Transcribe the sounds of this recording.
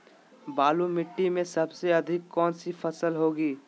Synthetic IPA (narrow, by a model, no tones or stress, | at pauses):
baːlumɪʈːimẽsɐbseɐd̪ʱɪkːɔːnsifʰɐsəlɦoːɡiː